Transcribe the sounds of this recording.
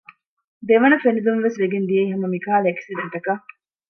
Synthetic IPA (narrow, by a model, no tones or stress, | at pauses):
d̪eʋɐnɐfenid̪umʋesʋeɡend̪ieiɦɐmɐmikaːleksid̪ɐnt̪ɐkɐ